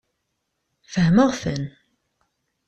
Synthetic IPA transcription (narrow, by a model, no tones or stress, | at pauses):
fəhməʁfə̰n